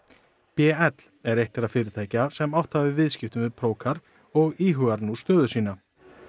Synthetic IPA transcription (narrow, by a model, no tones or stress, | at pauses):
pjɛːɛt̪lɛɾejht̪ɪɾaðfɪːɾɪt̪ʰaːjcasɛmawht̪havɪvɪðscɪft̪ʏmɪðpʰɾoːwkʰaɾ | ɔɣiːɦʏɣaɾnust̪œːðʏsiːna